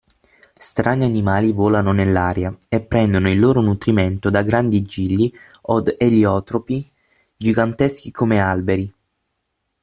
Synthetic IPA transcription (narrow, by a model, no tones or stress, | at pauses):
st̪ɾʔanianimaːlivoːlanonelːaːɾjaepːɾɛnd̪onoilːoːɾonut̪ɾiment̪od̪aɡɾand̪id͡ʒilːiɔd̪eljɔːt̪ɾopi | d͡ʒiɡant̪esk̟ikʰomealbeɾi